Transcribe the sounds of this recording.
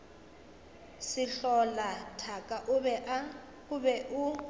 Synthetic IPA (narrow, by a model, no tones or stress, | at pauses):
sɪɬɔlatʰakʼaʔɛa | ʊbɛʔʊ